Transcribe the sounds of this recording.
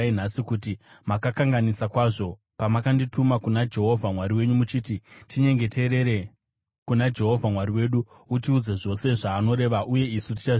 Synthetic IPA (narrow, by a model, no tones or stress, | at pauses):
in̤asikuti | makakaŋɡanisakwaːʐo̞ | pamakanditʰumakunad͡ʒe̞ɦo̞vʱamwaɾiwe̞ɲumut͡ʃiːtitʰiɲe̞ŋɡe̞tʰe̞ɾe̞ɾe | kunad͡ʒe̞ɦo̞vʱamwaɾiwe̞ɗu | utiud͡zeʐo̞se̞ʐaːno̞ɾe̞ʋaʔuje̞isuti̥t͡ʃa